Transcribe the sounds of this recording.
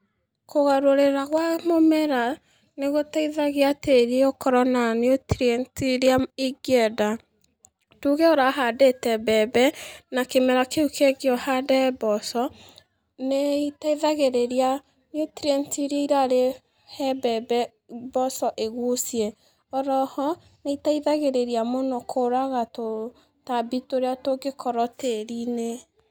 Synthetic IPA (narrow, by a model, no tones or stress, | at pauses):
koɣaɾoɾeɾaɣwamomɛɾa | neɣotaiðaɣeateɾeokɔɾɔnaneotɾɛntiɾeaiɡjɛda | tuɣeɔɾaɦadetɛbɛbɛnakemɛɾakeukʰeɣjɔhadɛbɔsɔ | neitaiðaɣeɾeɾia | notiɾɛntiɾeiɾaɾe | hɛbɛbɛ | bɔsɔʔeɣosijɛ | ɔɾɔhɔ | neitaiðaɣeɾeɾiamonɔkʰoɾaɣato | tabitoɾeatoɡekʰɔɾɔteɾine